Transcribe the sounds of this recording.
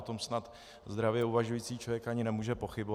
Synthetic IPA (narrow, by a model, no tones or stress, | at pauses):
t̪o̞msnat̪ | zd̪ɾavjɛuvaʒujiːt͡siːt͡ʃlovjɛkʔaɲɪnɛmuːʒɛpo̞xɪbo